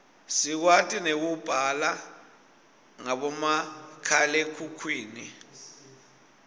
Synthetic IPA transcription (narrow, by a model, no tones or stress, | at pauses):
sik̬watʼinek̬ub̥ʱala | ŋaɓɔmakʰalekʰukʰwiːni